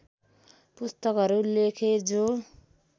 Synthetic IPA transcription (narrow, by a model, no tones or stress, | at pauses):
pust̪ʌkɦʌɾulekʰed͡zo